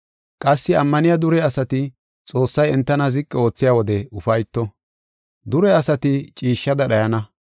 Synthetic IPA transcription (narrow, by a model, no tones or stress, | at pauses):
kʼɐsːɪɐmːɐnɪjɐd̪ʊɾɛɐsɐt̪ɪ | t͡sʼo̞ːsːɐjɛnt̪ːɐnɐzɪkʼːɛo̞ːt͡sːɪjaːwɔd̪ɛʊfɐjt̪ːɔ | d̪ʊɾɛɐsɐt̪ɪt͡ʃʼiːʃːɐd̪ɐɗɐjɐnɐ